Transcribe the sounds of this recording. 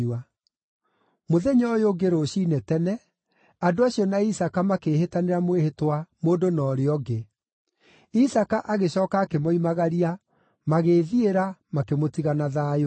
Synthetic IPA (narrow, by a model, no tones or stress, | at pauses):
a | moðɛɲɔːjoɡeɾoɕinɛtɛnɛ | adoaɕiɔnaisakamakeːhetaneɾamwehetwamoːdonɔːɾeɔɡe | isakaʔaɣeɕɔːkaːkemoimaɣaɾia | maɣeːðieɾamakemotiɣanaðaːjo